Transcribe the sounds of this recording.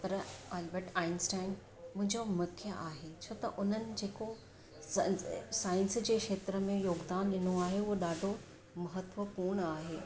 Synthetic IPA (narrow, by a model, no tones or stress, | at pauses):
pɐɾaːlbəʈaːɪnsʈaːɪn | mʊ̃ɦɪ̃ɲd͡ʑomɐkʰjəʔaːɦet͡ɕʰoːt̪ɐ̰ʔʊn̤ənɪ̆d͡ʑeːko | saːɪ̃nsd͡ʑeːkʂeːt̪ɾəmẽjoːɡd̪aːnɗɪnoaːɦeʊɦoɗaːɖʱo | mɐɦət̪ʋəpuːɾɳ̃aːɦeː